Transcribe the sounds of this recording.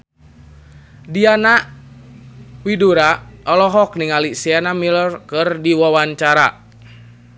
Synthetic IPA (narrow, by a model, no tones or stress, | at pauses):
diana | widuɾaʔɔlɔɦɔk̚niŋalisianamilɔrkɨrdiwawaɲt͡ʃaɾa